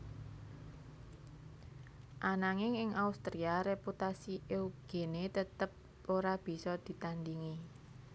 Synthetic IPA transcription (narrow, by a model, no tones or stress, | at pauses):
ʔanaŋɪŋɪŋaust̪ɾiaɾeput̪asiʔeuɡ̥e̤net̪ət̪əp̚ | oɾab̥i̤sɔd̪̥i̤t̪and̪iŋi